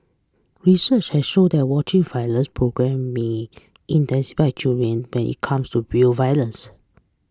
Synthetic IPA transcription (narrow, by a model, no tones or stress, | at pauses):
ɹisət͡ʃhɛsʃodɛt̚wɔt͡ʃĩŋvajlə̃nspʰɹoɡɹɛ̃mːe | ʔĩntɛ̃nsi̥faɪt͡ʃildɹə̃nwɛ̃nʔḭt̚kʰãmstuɹivajlə̃ns